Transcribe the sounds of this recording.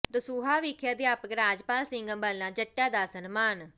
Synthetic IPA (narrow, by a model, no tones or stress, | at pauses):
d̪əsuːɦaːʋɪkʰjaːd̪eːaːpɡɾaːd͡ʒpaːlsɪŋɡəmbəlːãːd͡ʒəʈːaːd̪aːsənmaːn